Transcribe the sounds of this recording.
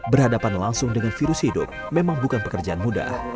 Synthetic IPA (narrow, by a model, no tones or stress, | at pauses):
bərhadapanlaŋsʊŋdəŋanfiɾʊshidʊ̰p̚memaŋbukanpəkərd͡ʒaanmuda̰h